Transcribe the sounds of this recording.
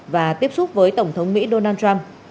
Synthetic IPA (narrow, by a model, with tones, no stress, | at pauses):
vaː˨˩t̪i˦˥əp̚su˦˥t̚vəː˨˦jt̪ə˧˩wŋ͡mt̪ʰə˨˦wŋ͡mmḭ˧˥ɗo˧naː˧nt͡ɕwa˧m